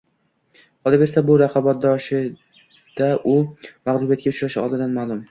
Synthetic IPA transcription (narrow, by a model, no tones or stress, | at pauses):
qʰɒlˠɪɾesabʊɾaqʰɑbat̪̚d̪ɒʃɪ | d̪̥aʔʊmaʁlˠʊbijat̪̚ɡʲaʊt͡ʃɾaʃɪɒ̰lˠd̪ɪd̪anmaːlˠʊm